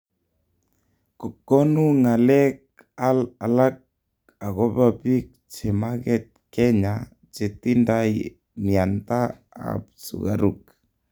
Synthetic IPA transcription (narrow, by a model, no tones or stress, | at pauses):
kɔkːonuŋalɛk̚ | alalak̚ | aɣobapik̚t͡ʃɛmaɣɛt̪̚kɛɲa | t͡ʃet̪indaj | miant̪a | a̰p̚sṵɣa̰ɾuk̚